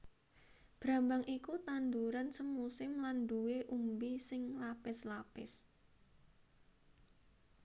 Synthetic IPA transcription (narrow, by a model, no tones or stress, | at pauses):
b̥ɾa̤mbaŋikut̪and̪uɾansəŋːusɪmland̪uweʔumbisɪŋlapɪslapɪs